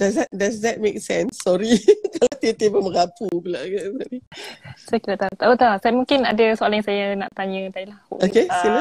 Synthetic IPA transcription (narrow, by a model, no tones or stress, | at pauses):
dazɛt̚dasdɛt̚meksɛ̃nsːɔɾikalat̪it̪ebəməɾapubəlaɡaʔsɔɾisakilat̪at̪aʔot̪asajmũŋkɪnadasoalajãŋsajanaʔt̪aɲə̃dailaho̰ʔokesina